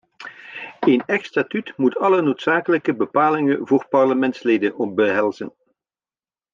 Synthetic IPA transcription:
ejnɛxstatytmutʰɑlənoːtsaːkələkəbəpaːlɪŋənvoːrpɑrləmɛntsleːdənɔbəɦɛlˠzən

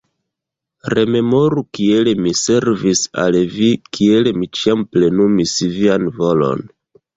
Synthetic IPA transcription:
ɾe̞me̞mo̞ɾukie̞lemise̞ɾvisa̰lvikie̞lemit͡ʃiample̞numisvianvo̞lo̞̰n

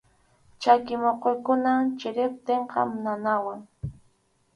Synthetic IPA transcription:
t͡ʃakɪmoqojkʊnat͡ʃɪɾɪp̚t̪eɴqɑ̰mnanawaŋ

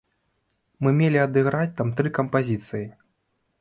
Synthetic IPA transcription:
mɨmʲelʲiɐd̪ɨɣɾat͡sʲt̪amt̪ɾɨkɐmpazʲit̪sɨji

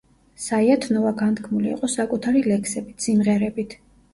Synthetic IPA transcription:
saiat̪ʰnɔvaɡant̪kʰmulḭḭqʼɔsakʼut̪ʰaɾilɛkʰsɛbit̪ʰsimʁɛɾɛbit̪ʰ

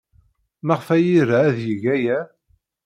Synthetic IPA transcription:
mæʁfæjiɾaːðjəʝæjæ

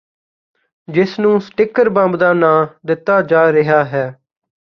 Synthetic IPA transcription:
d͡ʒɪsnũːsʈɪkəɾbãmbd̪aːnãːd̪ɪt̪ːaːd͡ʒaːɾɪɦaːɦɛː

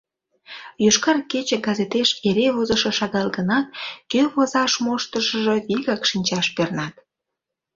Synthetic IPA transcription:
jyʃkɑrket͡ɕeɡɑzet̪eʃeɾeβozəʃə̆ʃɑɣɑlɣənɑt̚køβozɑʃmoʃt̪əʃəʒəviɣɑkʃinʲt͡ɕɑʃpernɑt̪

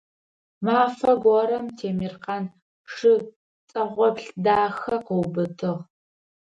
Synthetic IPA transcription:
maːfɐɡʷɔɾɐmtʰeːmirqɑːn | ʂɨ | t͡sʼɐʁʷɔpɬdaːxɐqəwbɨtʰɨʁ

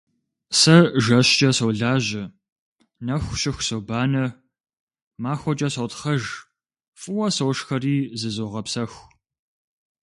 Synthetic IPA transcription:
sɐʒɐɕt͡ʃʼɐsɐwɮaːʑɪ | nɐxʷɕɪxʷsobaːnɐ | maːxʷɔt͡ʃʼɐsɐwtχɐʒ | fʼɨwɐsɐwʂxɐriːzɨzoːʁɐpsɐxʷ

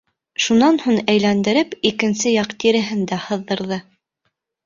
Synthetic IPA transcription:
ʃunɑnhuɴæjlænd̪ɘ̆ɾɘpikɘ̆nsɘjɑqt̪iɾɘ̆ɦɘnd̪æhɤ̆ðːɤ̆ɾðɤ

